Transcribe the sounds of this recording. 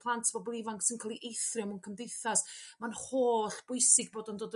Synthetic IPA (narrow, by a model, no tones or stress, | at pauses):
pʰlˠantʰv̥ɔbɔlˠivaŋksɪnkʰalˠiʔejθrɪmunkʰəmdejθasmanhoːɬb̥ʊjsɪɡ̚boːdɔndoːd